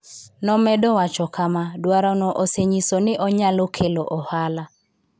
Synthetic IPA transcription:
nɔmɛdɔwat͡ʃɔkamadwaɾɔnɔʔoseɲisonɪʔɔɲalokʰeloʔɔhala

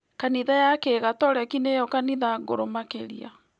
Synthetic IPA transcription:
kaniðajakeɣatɔɾɛkinejɔkaniðaɡoɾomakeɾḭa̰

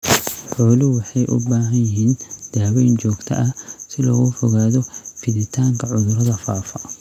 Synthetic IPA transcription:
ħɔːlɪwɑħɑjʔʊ̰baːɦɐjjɪɦiːnd̪̥aːwɛjnt͡ʃɔːɡt̪ʰɐ̰ʔɐsɪlɔ̰ːɣɔfɔɣaːðɔfɪðɪt̪ʰaːŋkʰɐʕʊðʊɾɐðɐfaːfɐ

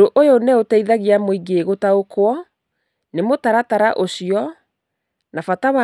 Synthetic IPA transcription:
oʔojonɛotɛiðaɣiamoiɡeɣotaokwɔ | nemotaɾataɾaʔoɕiɔ | nafatawa

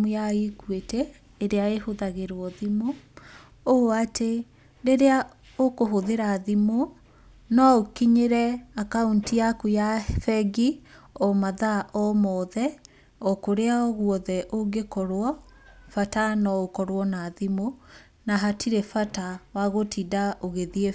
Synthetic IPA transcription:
mujaekwetɛː | ɾeaehoðaɣeɾwɔðimo | oate | ɾeɾea | okoɦoðeɾaðimo | nɔokiɲeɾɛakauntiakujafɛɡi | ɔmaðaʔɔmɔðɛ | ɔkoɾeaɔɣwɔðɛʔoɡekɔɾwɔfatanɔokɔɾwɔnaðimo | naɦatʰiɾɛfatawaɣotidaʔoɣeðie

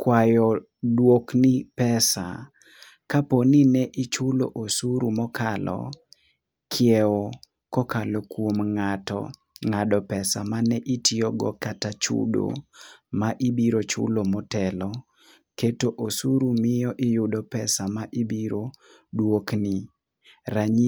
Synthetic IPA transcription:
kwajɔ | dwoknipɛsa̰ | kaponinɛʔɪt͡ʃʊlo̰ʔosuɾumɔkalɔ̰ | kʰjɛo | kɔkalokwomŋatɔ̰ | ŋadɔpɛsamanɛʔitiɔɡɔ̰katat͡ʃʊ̰do̰maʔibiɾot͡ʃʊ̰lomɔtɛlɔ | ketoʔosuɾumɪjɔʔɪjʊdɔpɛsamaʔibiɾo | dwokni | ɾaɲi

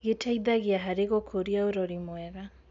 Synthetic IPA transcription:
ɣetʰaiðaɣiaɦaɾeɣokʰoɾiaoɾɔɾimwɛɣa

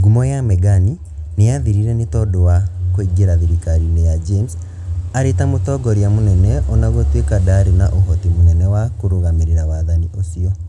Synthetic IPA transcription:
ɡumɔjamɛɡani | nejaðiɾiɾɛnetɔdowakoiɡeɾaðiɾikaɾinɛjad͡ʒems | aɾetamotɔɡɔɾiamonɛnɛɔnaɣotwekadaɾinaʔoɦɔtimonɛnɛwakoɾoɣameɾeɾawaðaniʔosiɔ

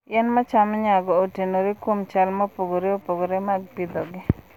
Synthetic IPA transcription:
ɛnmat͡ʃamɲaɡɔːtenoɾikwomt͡ʃalmɔpoɡoɾeopoɡoɾemaɡ̚pid̪ɔɡɪ

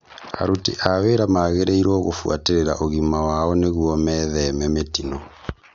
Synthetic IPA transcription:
a̰ɾutḭʔaweːɾamaːɣeɾeiɾɔɣofwa̰teɾeɾaʔoɣimawaɔneɣwɔmɛːðɛmɛmetinɔ

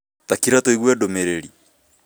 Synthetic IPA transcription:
takiɾatoiɣwɛdomeɾeɾi

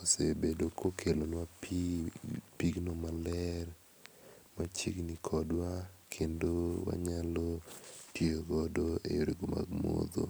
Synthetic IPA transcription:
osebedokʰokʰelonwapi | piɡnomalɛɾ | mat͡ʃiɡnikʰɔdwakʰendowa̰ɲalɔtjeoɡɔdoḛjoɾiɡoma̰ɡmo̰d̪o̰

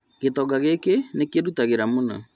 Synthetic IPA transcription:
ɣ̥etɔɡaɣekenekeɾutaɣeɾamonɔ

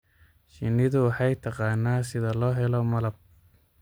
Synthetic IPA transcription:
ʃɪnːɪðʊwɑħɑjt̪ʰɐqɑːnːaːsɪðɐlɔːɦɛlɔmɐlɐb̚

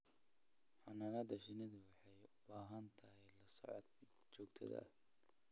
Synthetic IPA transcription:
ħanɐɣɐd̪ɐʃɪnɪðwɐħɛjbaːɦɐnt̪ʰɐɦɛjlɐsɔ̰ʕɔ̰d̪ | t͡ʃɔːɡ̚t̪ʰɐ̰ðɐ̰

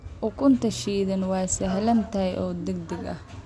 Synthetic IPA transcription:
ʔʊkʰʊnt̪ʰɐʃiːðɐnwɑːsɐɦlɐnt̪ʰɐɛjʔɔːd̪ɛɡ̚d̪ɪɡɐ̰h

